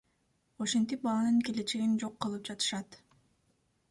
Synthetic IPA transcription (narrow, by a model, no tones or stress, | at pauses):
o̞ʃent̪ip̚bɑlˠɑnɯŋke̞le̞t͡ʃe̞ɡind͡ʒo̞qːɯlˠɯp̚d͡ʒɑt̪ɯ̥ʃɑt̪